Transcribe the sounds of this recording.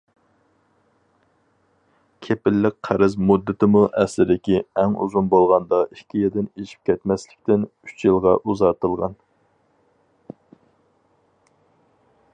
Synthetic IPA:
kʲʰepɪlːɪk̚ʲqʰæɾɪzmud̪ːɪt̪ʰɪmuʔɛslɪd̪ɪkʲiɛŋṵzunbolˠʁɑnd̪ɑikʲʰːijɛd̪ɪneʃi̥p̚kʲʰɛt̪mɛslɪ̥kʲt̪ɪnyt͡ʃjɨlˠʁɑʔuzɑt̪ɨlˠʁɑn

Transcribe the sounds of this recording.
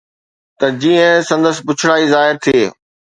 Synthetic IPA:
t̪ɐd͡ʑiːə̃sɐ̃nd̪əspʊt͡ɕʰʊɽaːizaːɦɪɾt̪ʰieː

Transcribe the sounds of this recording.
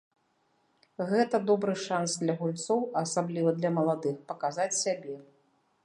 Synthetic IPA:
ɣɛt̪ɐd̪ɔbɾɨʂansd̪lʲɐɣulʲt̪sɔwɐsablʲivɐd̪lʲɐmɐlˠad̪ɨxpɐkazat͡sʲsʲabʲɛ

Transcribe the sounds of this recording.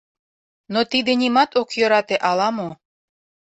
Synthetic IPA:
not̪id̪enimɑt̪okjøɾɑt̪eʔɑlɑmo

